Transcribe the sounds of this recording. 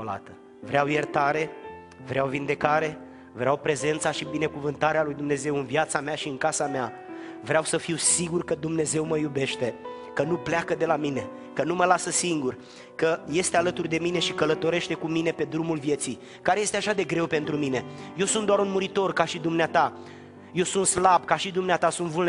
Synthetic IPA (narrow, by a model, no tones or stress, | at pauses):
od̪a̰t̪ə | vɾeawjert̪aɾe̞ | vɾeawvind̪e̞kaɾe̞ | vɾeawpɾe̞ze̞nt̪saʃibine̞kuvɨnt̪aɾealujd̪umne̞ze̞wɨnvjat̪sameaʃiɨŋkasamea | vɾeawsəfiwsiɡurkəd̪umne̞ze̞wməjube̞ʃt̪e̞ | kənupleakəd̪e̞lamine̞ | kənuməlasəsiŋɡur | kəje̞st̪ealət̪urd̪e̞mine̞ʃikələt̪o̞ɾe̞ʃt̪e̞kumine̞pe̞d̪ɾumulvje̞t̪si | kaɾeje̞st̪eaʃad̪e̞ɡɾe̞wpe̞nt̪ɾumine̞je̞wsunt̪d̪oaɾunmuɾit̪o̞rkaʃid̪umneat̪a | je̞wsunt̪slab̚kaʃid̪umneat̪asunt̪vuln